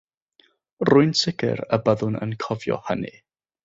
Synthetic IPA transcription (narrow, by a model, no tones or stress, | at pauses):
rʊɨnsɪɡɪ̰ɾəbəðʊnə̰nkʰɔvjɔ̰həni